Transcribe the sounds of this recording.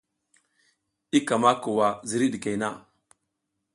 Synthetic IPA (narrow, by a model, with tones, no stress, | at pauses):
i˦ka˨ma˦ku˨wa˨zi˨ɾi˦ɗi˨ka˨jna˦